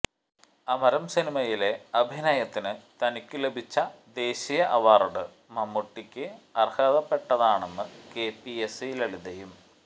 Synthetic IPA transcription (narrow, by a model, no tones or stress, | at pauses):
ɐmɐɾɐmsinimɐjile̞ɐbʱinɐjɐt̪ːinɨt̪ɐnikʲːɨle̞bʱit͡ɕːɐd̪e̞ːɕijɐʔɐʋaːruɽɨ | mɐmːuʈːikʲːɨɐrhɐːðɐpːe̞ʈːɐðaːɳenːɨke̞ːpiesjileɭid̪ɐjum